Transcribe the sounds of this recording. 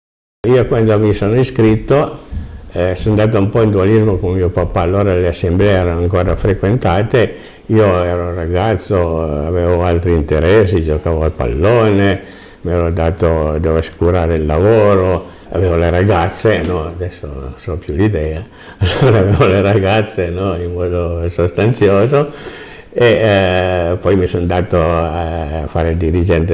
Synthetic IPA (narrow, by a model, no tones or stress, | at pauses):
iːokwand̪omisoːnoiskɾit̪ːo | sond̪aːt̪̬oumpɔind̪ualizmokommiːopapːaːlːoːɾaleasːemblɛeɛːɾanoaŋkoːɾafɾekwent̪aːt̪e | iːoɛːɾoouraɡat̪sːoaveːvoalt̪ɾiːnt̪eɾɛsːid͡ʒokaːvoalpa̰lːoːne | miɛɾod̪aːt̪od̪ovoase̥kuɾaːɾeilːavoːɾo | a̰veːvoleɾaɡat̪sːenɔad̪ɛsːononsɔpjulid̪ɛːa | alːoːɾaːveːvoleɾaɡat̪sːenɔimmɔːd̪osost̪ant̪sjoːzo | e | pɔjmisond̪aːt̪oafaːɾeld̪iɾid͡ʒɛnt̪e